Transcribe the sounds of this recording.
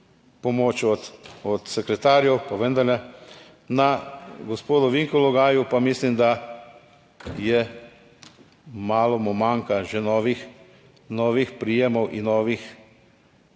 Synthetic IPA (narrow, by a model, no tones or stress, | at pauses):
pɔmoːt͡ʃɔt̪ɔt̪sɛkɾɛt̪aːɾjɛwpaʋənd̪aɾlɛ | naɡɔspoːd̪ɔʋiŋkɔlɔɡaːjupamislimd̪a | jɛ | maːlɔmɔmaŋkaʒɛnɔːʋix | nɔːʋixpɾijemɔwʔinːɔːʋix